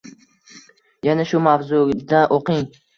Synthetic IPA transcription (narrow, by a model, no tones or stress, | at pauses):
janaʃʊmavzud̪aʔoqɪŋ